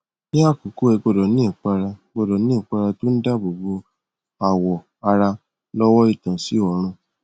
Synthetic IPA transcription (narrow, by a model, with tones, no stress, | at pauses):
nĩ˦a˦˨ku˨˦ku˦ɛ˧˨ɡ͡bo˧˨dɔ˨nĩ˦˨k͡pa˧ɾa˧ɡ͡bɔ˦˨dɔ˨˦nĩ˦˨k͡pa˧ɾa˧to˦n̩˦da˦bo˨ɡ͡bo˧ | a˨wɔ˨ | a˧ɾa˧ | lɔ˦wɔ˦i˦˨tã˨si˨˦ɔ˨ɾ̃ũ˧